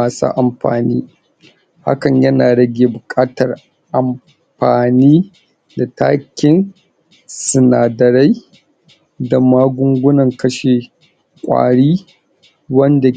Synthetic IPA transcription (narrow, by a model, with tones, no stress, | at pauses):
aː˨sa̰ː˦ʔa˨mɸa̰ː˨nḭː˦ | ha̰˦kɐ˨ɲjɐ˦naː˨ɽɐ˦ɡʲeː˨bʊ˨kʼaː˦tɐ˨r | ʔa˨m | ɸaː˨niː˦ | da˨tʰa̰ː˦kʲɪ˦n | sʊ˨naː˨dɐ˨ɾa˦j | da˨maː˦ɡʷʊ˦ŋɡʷʊ˦nɐ˨ŋkɐ˦ʃeː˨ | kʷʼa̰ː˨ɽiː˦ | wɐ˦nda˨